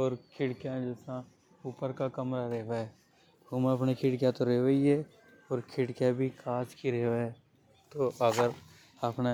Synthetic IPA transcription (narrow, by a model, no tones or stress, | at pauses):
ɔːɾkʰɪɽkjãd͡ʒɛːsã | uːpəɾkakɐmɾaɾɛɦʋaɦɛ | homeɐpnekʰɪɽkjat̪oɾeːʋəiɦɛ | ɔːɾkʰɪɽkjabʱikaːt͡ʃkiɾeːɦʋaɛ | t̪oʔəɡəɾ | əpna